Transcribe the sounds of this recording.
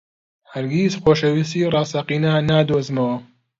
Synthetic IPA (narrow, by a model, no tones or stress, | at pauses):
hɐɾɡiːsxoːʃɐwis̬iːrˤɑːsɐqiːnaːnaːd̪oːzmɐwɐ